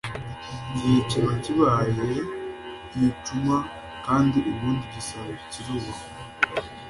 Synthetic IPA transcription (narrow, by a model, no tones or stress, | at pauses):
ɟiceβaciβaje | ituma | kaːndiʔuβuːndiβisaβaciɾuːβa